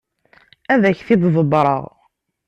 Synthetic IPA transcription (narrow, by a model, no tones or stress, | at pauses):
æðæçθɪððˤəbɾˤə̰ʁ